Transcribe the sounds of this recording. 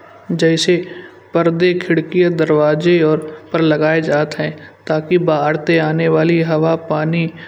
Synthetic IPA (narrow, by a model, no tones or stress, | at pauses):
d͡ʒɛːse | pɐɾd̪ekʰɪɽkijad̪ɐɾʋaːzeɔːɾpɐɾlɐɡaːed͡ʒaːt̪ɦɛ̃ːt̪aːkibaːɽt̪eaːneʋaːliɦɐʋapaːni